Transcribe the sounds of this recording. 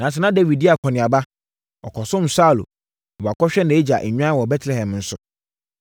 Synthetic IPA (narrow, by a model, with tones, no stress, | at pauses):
nã˨s̬ɛ˨nã˦de˦wi˨d̚di˦a˨kʰɔ˨nɪ̃˨a˨ba˦ | ɔ˨kʰɔ˨sʊ̃˦m̩˨sa˦˨lo̰˨ | a˨kʰɔ˦ɕᶣɛ˦nã˨e˦d͡ʑa˨ʔɛ˨ɲᶣ˦ã˦wɔ˨bɛ˦tʰlɛ˨hɛ̃˨mn̩˦sʊ˨